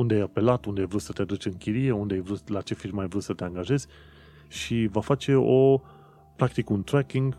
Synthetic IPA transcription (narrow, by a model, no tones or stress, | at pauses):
und̪eajape̞lat̪und̪eajvɾusət̪ead̪ut͡ʃʲɨŋkʲiɾie̞und̪eajvɾut̪lat͡ʃe̞firməajvɾut̪sət̪eaŋɡaʒe̞z̥ʲ | ʃivafat͡ʃe̞o̞ | pɾakt̪ikunt̪ɾɛkiŋɡ